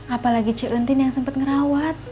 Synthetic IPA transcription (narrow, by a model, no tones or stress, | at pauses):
apalaɡit͡ʃəʔənt̪ɪnjaŋsəmpət̪̚ŋəɾawat̪̚